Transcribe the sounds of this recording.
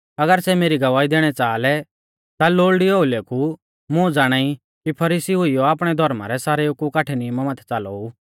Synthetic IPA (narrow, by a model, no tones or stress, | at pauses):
ɐɡəɾsɛmeːɾiɡɐʋaːid̪eːɽ̃ɛt͡saːlɛ | t̪aloːɭɖioːuleːkʰu | mʊ̃d͡zaːɽ̃aːi | kipʰɐɾiːsiɦʊijɔaːpɽ̃ɛd̪ʱɔɾma̰ɾɛsaːɾɛʊkːukaːʈʰɛnimamaːt̪ʰɛ̥t͡saːlɔ̰u